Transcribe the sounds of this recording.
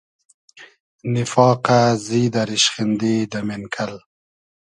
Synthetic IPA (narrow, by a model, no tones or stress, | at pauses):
nɪfɑːqaziːd̪aɾiʃχind̪id̪amenkʰal